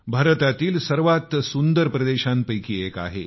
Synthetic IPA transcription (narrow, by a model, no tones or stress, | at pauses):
bʱaɾət̪at̪iːlsəɾʋat̪sund̪əɾpɾəd̪eɕãnpəjkiːeka̰ɦḛ